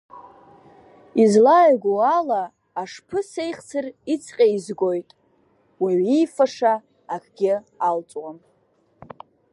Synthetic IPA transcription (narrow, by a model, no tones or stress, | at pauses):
izlajɡʷoalaː | ʂpʰɨsejχt͡sʰɨrit͡sʰqʲʼaizɡo̞jtʼ | wiɥijfaʂaː | kʰʼɡʲɪalt͡sʼwam